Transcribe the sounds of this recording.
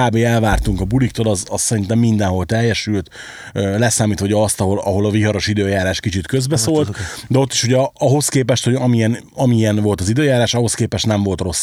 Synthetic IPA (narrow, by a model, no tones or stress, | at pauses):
aːbeːɛlvaːrt̪uŋkɒbulik̚t̪olɒzɒssɛɾint̪ɛmːind̪ɛnɦo̞lt̪ɛjːɛʃylt̪ | øːlɛsaːmiːt̪ʋɒɟɒst̪ɒɦo̞lɒɦo̞lɒviɦɒɾo̞ʃid̪øːjaːɾaːʃkit͡ʃit̪kø̞zbɛsoːlt̪d̪ɛo̞t̪ːiʃuɟɛɒɦo̞skeːpɛʃt̪ho̞ɟɒmiɛn | ɒmiɛnvo̞lt̪ɒzid̪øːjaːɾaːʃɒɦo̞skeːpɛʃt̪nɛɱvo̞lt̪ro̞sː